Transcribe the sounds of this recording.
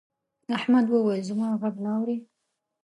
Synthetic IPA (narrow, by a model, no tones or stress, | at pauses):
aħmad̪wəwajzʊmɑɣaɡnaːwɾi